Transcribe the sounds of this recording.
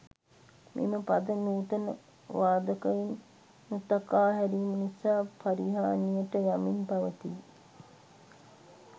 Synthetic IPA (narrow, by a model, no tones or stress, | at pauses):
mʔḭməpad̪ənuːt̪ənə | ʋaːd̪ɐkɐjinː | ut̪akaːɦæɾimunisaːpʰaɾiɦaːnijəʈəjaminpaʋət̪iː